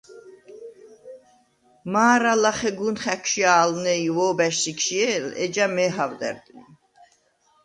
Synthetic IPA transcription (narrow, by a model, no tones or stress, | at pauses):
maːɾalaχɛɡunχækʰʃiaːlnɛjvɔːbæʃsikʰʃiɛlɛ̰d͡ʒamɛːɦavd̪ɛ̰ɾd̪ni